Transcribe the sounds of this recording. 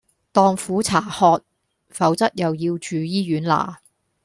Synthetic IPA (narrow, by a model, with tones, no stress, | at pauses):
t̪ɔː˨˧ŋfuː˨˥t͡sʰaː˨˩hɔː˧t̚ | fɐ˨˥wt͡sɐ˥t̚jɐ˨wjiː˧wt͡ʃyː˨˧jiː˥jyː˨˥nla̰ː˨˩